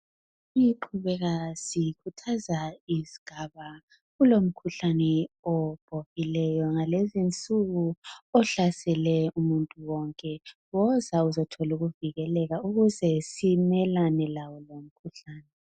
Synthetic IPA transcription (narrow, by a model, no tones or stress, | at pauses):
iǃʰuβɛɣasikʰutʰazaiziɡ̥ʱaβa | ɣulom̩kʰuɬanɛɔb̥ʱoɣilɛjɔŋalezint͡sʼuɣuɔɬasɛlɛumuntʼuwɔŋkʼɛɣɔzauzɔtʰɔluɣuviɣɛlɛɣauɣuzɛsimɛlanɛlawɔlom̩kʰuɬaːnɛ